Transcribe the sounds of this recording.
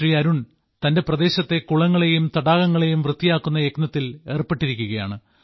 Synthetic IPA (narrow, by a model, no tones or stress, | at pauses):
riɐɾuɳ | t̪ɐnde̞prɐd̪e̞ːɕɐt̪ːe̞kuɭɐŋːɐɭe̞jumt̪ɐɽaːɣɐŋːɐɭe̞jumʋrɨt̪ːijaːkːunːɐjeknɐt̪ːile̞ːrpːe̞ʈːiɾikʲːuɣɐja̰ːɳɨ